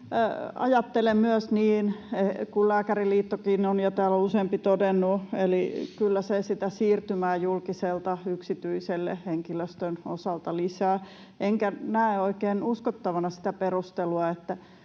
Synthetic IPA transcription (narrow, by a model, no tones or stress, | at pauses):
ɑ̰jɑt̪ːelemmyøsniːnekullæːkæriliːt̪ːokiːnonjɑt̪æːlouseːmpit̪odenːuelikylːæsesit̪æsiːrt̪ymæːjulkiselt̪ɑyksit̪yiselːḛheŋkiløst̪øno̰sɑlt̪ɑlisæː | ʔeŋkænæeoikeːnuskot̪ːɑʋɑnɑsi̥t̪æperust̪eluɑet̪ːæ